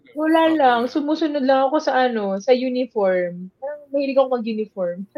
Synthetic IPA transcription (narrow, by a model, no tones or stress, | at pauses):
wɐlaːlɐŋsʊmuːsʊnod̪̚lɐŋɐko̞sɐʔɐno̞sɐjunɪfoɹmpaɾɐŋmɐhɪlɪɡɐkomɐɡjunɪfoɹm